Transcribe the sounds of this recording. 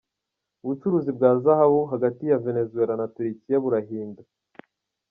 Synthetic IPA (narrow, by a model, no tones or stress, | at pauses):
uβut͡ʃuɾuːzibɡaːzahaβuɦaɡatijave̞ne̞zue̞ɾanatuɾikijaβuɾaɦiːnda